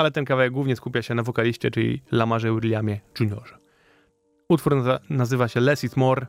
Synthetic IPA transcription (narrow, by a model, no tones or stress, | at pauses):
alɛt̪ɛnkavawɛɡ̚wuvɲɛskupʲjaɕɛnavɔkalʲiɕt͡ɕɛt͡ʂɘlʲḭlamaʐɛwɾlʲjamʲjɛʐuɲɔ̰ʐɛ | ut̪fuɾnazɘvaɕɛlɛsʲismɔɾ